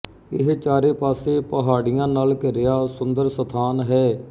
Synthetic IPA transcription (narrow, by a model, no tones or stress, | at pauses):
ɪɦt͡ʃaːɾeːpaːseːpəɦaːɽɪjãːnaːlkɪɾɪjaːsʊnd̪əɾsət̪ʰaːnɦɛː